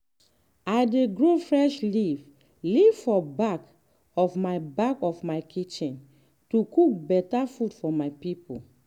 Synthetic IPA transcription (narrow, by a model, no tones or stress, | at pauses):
ajdeɡɹofɹɛʃliv | livfɔbak | ɔfmaɪbakɔfmaɪkʰit͡ʃĩn | tukuk̚bɛtafudfɔmaɪpipo̰